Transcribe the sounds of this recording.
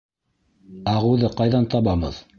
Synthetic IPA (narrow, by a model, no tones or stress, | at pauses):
ɑʁɤ̆wðɤqɑjðɑnt̪ɑβɑbɤ̰ð